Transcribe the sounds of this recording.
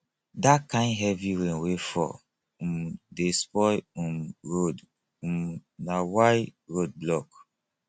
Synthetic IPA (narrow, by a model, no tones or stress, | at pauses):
dakãɪ̃ndɦɛviɾẽnwefɔ̰ | ũmdespɔjumɹod | ũmnawajɹod̚blɔk